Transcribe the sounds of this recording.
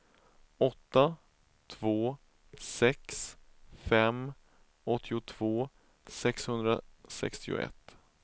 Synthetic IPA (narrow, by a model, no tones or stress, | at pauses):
ɔt̪ːa | t̪ʰvoː | sɛksfɛm | ɔt̪ʰːɪʊt̪ʰv̥oː | sɛkshɵnd̪ɾa̰sɛ̰kst̪ɪʊ̰ɛ̰t̪ː